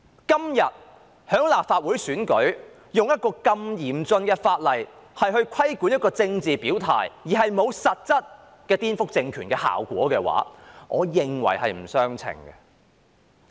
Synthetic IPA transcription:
kɐ˥mjɐ˨t̚ | hœː˨˥ŋlaː˨p̚faː˧t̚wuː˨˥jsyː˨˥nkɵ˨˥ɥ | jʊ˨ŋjɐ˥t̚kɔː˧kɐ˧mjiː˨˩mt͡sɵ˧nkɛ˧faː˧t̚lɐ˨jhɐ˨jɦɵ˧ɥkʷʰɐ˥jku˨˥njɐ˥t̚kɔː˧t͡sɪ˧ŋt͡siː˨piː˨˥wt̪ʰa̰ː˨˩jjiː˨˩ɦɐ˨jmo˨˧wsɐ˨t̚t͡sɐ˥t̚ | kɛː˧t̪iː˥nfʊ˥k̚t͡sɪ˧ŋkʰyː˨˩nkɛː˧ha̰ː˨wkʷɔ̰ː˨˥kɛː˧wa̰ː˨˥ŋʔɔː˨˧jɪ˨ŋwɐ̰˨˩jhɐ˨jm̩˨˩sœː˥ŋt͡sʰɪ̰˨˩ŋɡɛ̰˧

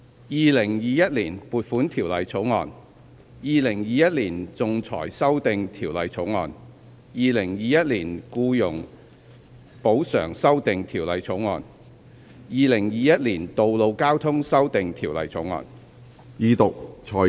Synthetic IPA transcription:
jiː˨˧lɪ˨˩ŋjiː˨˧jɐ˥t̚liː˨˩npuː˨t̚fuː˨˥nt̪ʰiː˨˩wlɐ˨jt͡sʰo˨˥wŋɔː˧n | jiː˨˧lɪ˨˩ŋjiː˨jɐ˥t̚liː˨˩nt͡sʊ˨˧ŋt͡sʰɔ̰ː˨˩jsɐ˥wt̪ɪ˨ŋt̪ʰiː˨˩wlɐ˨˧jt͡sʰo˨˥wŋɔ̰ː˨n | jiː˨˧lɪ˨˩ŋjiː˨˧jɐ˥t̚liː˨˩nkuː˧jʊ˨˩ŋ | po˨˥wsœ̰ː˨˩ŋsɐ˥wt̪ɪ˨ŋt̪ʰiː˨˩wlɐ˨˧jt͡sʰo˨˥wŋɔː˨n | jiː˨˧lɪ˨˩ŋjiː˨˧jɐ˥t̚liː˨˩nt̪o˨wlo˨˧wkaː˥wt̪ʰʊ˥ŋsɐ˥wt̪ɪ˨ŋt̪ʰiː˨˩wlɐ̰˨jt͡sʰo˨˥wŋɔ̰ː˨˧n | jiː˧t̪ʊ˨k̚t͡ʃʰɔː˨˩

